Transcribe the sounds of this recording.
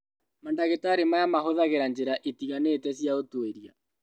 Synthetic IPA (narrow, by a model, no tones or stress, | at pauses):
mandaɣetaɾemajamaɦoðaɣeɾand͡ʑeɾaʔetiɣanetɛsjaotweɾia̰